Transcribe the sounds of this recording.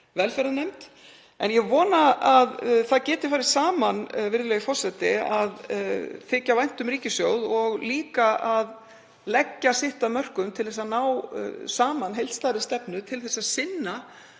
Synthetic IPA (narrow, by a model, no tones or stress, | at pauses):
vɛlfɛɾanejmt̪ | ɛnjɛɣvɔːnaaðθaðcɛːt̪ɪ̥faːɾɪɾ̥saːmanvɪɾðɪlɛːɣɪfɔr̥sɛt̪ɪaðθɪːcavajn̥t̪ʏmɾriːcɪsjowðɔɣliːkaʔað | lɛcːasɪht̪amœr̥kʏmt̪ʰɪlθɛsanaːwsaːmanɦejlt̪st̪aːɾɪst̪ɛpnʏt̪ʰɪlθɛsːaðsɪnːa